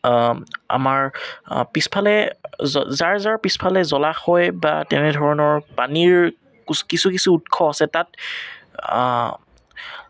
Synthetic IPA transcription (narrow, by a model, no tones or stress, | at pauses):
a̰maɹpispʰalɛ | zaɹzaɹpispʰalɛzɔlaxɔjba̰tɛnɛdʱɔɹɔnɔɹpaniɹ | kuskisukisuːtkʰɔasɛtat